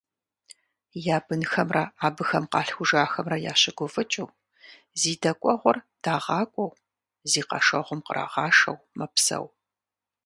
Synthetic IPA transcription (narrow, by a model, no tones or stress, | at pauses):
jaːbɨnxɐmrɐaːbɨxɐmqɑːɬxʷʊʒaːxɐmrɐjaːɕɪɡʷʊvɨt͡ʃʼuː | ziːdɐkʷʼɔʁʷɔrd̥aːʁɑːkʷʼɔw | ziːqɐ̰ʃɐʁʷʊmqəɾʔa̰ːʁɑːʃɐ̰wmɐpsɐ̰w